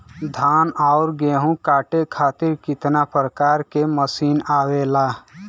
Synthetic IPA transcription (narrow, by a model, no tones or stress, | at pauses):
d̪ʱaːnaːʊɾɡeːɦũkaːʈekʰaːt̪ɪɾkɪt̪napɾəkaːɾkeməsiːnaːweːlaː